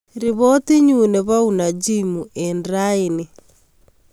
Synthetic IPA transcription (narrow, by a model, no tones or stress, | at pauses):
ɾiβɔtiɲuneβaunad͡ʒimuɛndɾaene